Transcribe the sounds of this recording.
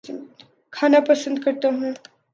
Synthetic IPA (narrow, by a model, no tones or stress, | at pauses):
kʰaːnapəsə̃nd̪kɐɾt̪aɦũː